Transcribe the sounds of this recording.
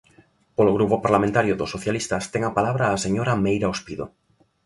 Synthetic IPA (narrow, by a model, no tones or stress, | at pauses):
poloɣɾupopaɾlamẽnt̪aɾjoðosoθjalist̪ast̪eŋapalaβɾaːseɲoɾamejɾaospiðo̰